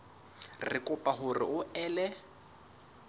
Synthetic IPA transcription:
rɪkʼʊpʼaɦʊrɪ̰ʔʊʔɛːlɛ

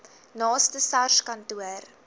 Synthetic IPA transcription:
nɑːstəsɐrʃkɐntuər

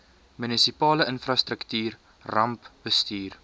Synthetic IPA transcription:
mynisipɑːləənfrɐst̪ɾəktyːr | rɐmpbəstyːr

